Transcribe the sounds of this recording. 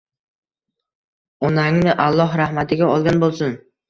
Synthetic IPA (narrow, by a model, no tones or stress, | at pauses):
ɒnaŋnɪʔalˠːɒɦɾahmat̪ʰɪɡʲaɒlˠɡʲanbolˠsʊn